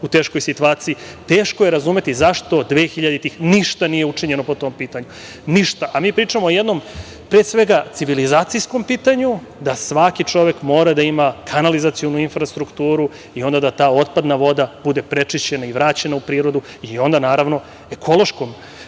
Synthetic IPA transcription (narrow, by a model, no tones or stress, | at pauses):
ut̪e̞ːʃko̞jsit̪uaːt̪siit̪eːʃkoje̞ɾazume̞t̪izaʃt̪o̞d̪ʋeːxiʎad̪et̪iːxniʃt̪anije̞ut͡ʂiɲe̞nopo̞t̪o̞mpiːt̪aɲu | niʃt̪aʔamiːpɾiːt͡ʂamoojed̪no̞m | pɾesʋe̞ɡat̪siʋilizaːt̪sijsko̞mpiːt̪aɲu | d̪asʋakit͡ʂo̞ʋe̞kmo̞ːɾad̪aimakʰanalizat̪sijonuinfɾast̪ɾukt̪uːɾu | io̞nd̪ad̪at̪aːo̞t̪̚pad̪naʋo̞d̪ab̥ud̪e̞pɾet͡ʂiʃt͡ɕenaiʋɾaːt͡ɕe̞naupɾiːɾo̞d̪u | io̞nd̪anaːɾaʋno̞ | e̞kʰo̞lo̞ʃkom